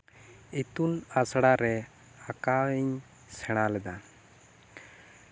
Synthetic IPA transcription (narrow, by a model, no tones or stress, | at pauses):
it̪ulasɽaɾɛ | akaiɲ | sɛɽ̃alɛd̪a